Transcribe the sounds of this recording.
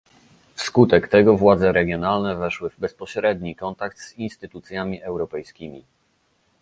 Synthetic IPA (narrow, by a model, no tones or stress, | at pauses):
fskut̪ɛkt̪ɛɡɔvwad̪zɛɾɛɡʲjɔnalnɛvɛʂwɘvbɛspɔɕɾɛd̪ɲikɔnt̪akt̪z̥inst̪ɘt̪ut̪sʲjamʲiʔɛwɾɔpɛjskʲimʲi